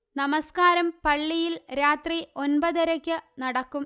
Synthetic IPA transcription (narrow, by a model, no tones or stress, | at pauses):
nɐmɐskaːɾɐmpɐɭːijilɾaːt̪riʔo̞nbɐðɐɾɐkʲːɨnɐɽɐkːum